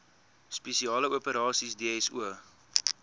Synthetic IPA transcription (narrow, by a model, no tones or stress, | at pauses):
spesiɑːləuəpəɾɑːsisdiːɛsuə